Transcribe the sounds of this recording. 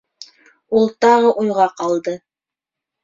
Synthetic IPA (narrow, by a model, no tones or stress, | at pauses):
ulˠt̪ɑʁɤʔujʁɑqɑlˠd̪ɤ